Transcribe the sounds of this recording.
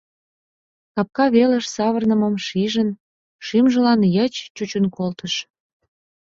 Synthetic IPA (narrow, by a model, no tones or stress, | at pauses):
t̪ɑp̚kɑβelə̆ʃsɑβərnəmə̆mʃiʒən | ʃimʒə̆lɑnjət͡ɕt͡ɕut͡ɕənkolt̪əʃ